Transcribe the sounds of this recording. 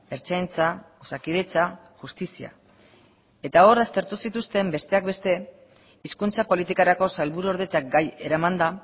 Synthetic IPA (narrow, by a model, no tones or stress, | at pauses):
e̞ɾt͡ʃajnt͡sa | osakið̞e̞t͡sa | ʝust̪isia̰ | e̞t̪ao̞ɾast̪e̞ɾt̪usit̪ust̪e̞mbe̞st̪e̞ak̚be̞st̪e̞ | iskunt͡sapo̞lit̪ikaɾako̞salβuɾuoɾðe̞t͡sak̚ɡaje̞ɾamand̪a